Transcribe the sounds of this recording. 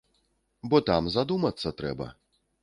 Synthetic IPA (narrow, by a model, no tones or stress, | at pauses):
bɔt̪amzad̪umɐt̪sːɐt̪ɾɛ̰bɐ̰